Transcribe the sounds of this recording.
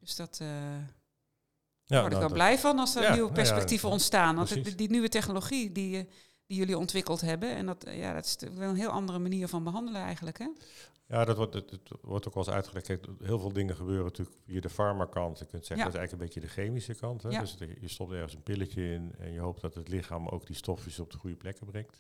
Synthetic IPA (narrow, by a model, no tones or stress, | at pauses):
d̥øsd̥ɔtə | ʋɔɹtɪkʋɛlblɛjvɔnɑlˠsdənywəpɛspɛktivəɔntstaːnʋɑndinyʋətɛxnoloχidi | dijøliɔntʋɪkəlˠtɦɛbəɛ̰ndɔtja̰dɔ̰tɪ̥styəkʋɛlˠənɦɪəlˠʔɑndərəmaniːərvɔnbəɦɑndələnɛ̰jɣəntləkɦɛ | jaːdɔtətʋɔ̰ɹtokɛlˠsœ̰ɥtχəlɛkɛɦɪːlˠvɪːlˠdɪŋənχəbøːrənətyːləkfiədəfɑɹmakɑntjəkøntsɛədɔtɪsɛjɣləkənbejədəχejmisəkɑntɦɛdøsjəstɔp̚tɛɹɣənsənpɪləcəɪnɛ̰njəɦowp̚d̥ɔtətlɪxaːmo̰wɡdistɔfisɔp̚dəχujəplɛkəbrɛŋkt